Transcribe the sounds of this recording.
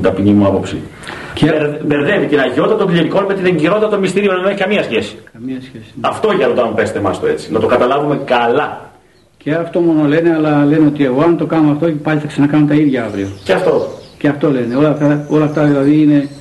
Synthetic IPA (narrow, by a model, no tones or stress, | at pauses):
t̪ɐpiɲimuɐpo̞psḭ | cedeɾðevit̪inɐʝo̞t̪ːɐt̪oŋɡʎiot̪iko̞nme̞t̪ineɲɟiɾot̪it̪ɐt̪omist̪iɾio̞nenneçikɐmiɐsçesi̥kɐmiɐsçesi̥nɐft̪o̞ʝɐɾot̪ɐmpe̞st̪emɐst̪oe̞t͡si̥nɐt̪okɐt̪ɐlɐvume̞kɐlɐ | ceɐft̪o̞mo̞no̞le̞ne̞ɐlɐle̞neo̞t̪ie̞ɣo̞ɐnt̪o̞kɐnoɐft̪o̞epɐʎʲiθɐksɐnɐkɐnont̪ɐiðʝɐɐvɾioceɐft̪o̞ceɐft̪o̞le̞neo̞lɐft̪ɐo̞lɐft̪ɐðilɐðiine̞